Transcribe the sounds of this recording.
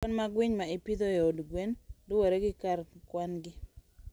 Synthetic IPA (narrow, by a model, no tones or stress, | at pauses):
ɔnmaɡwɪɲmaɪpid̪ojɛodɡwendʊwoɾeɡɪkarkwanɡɪ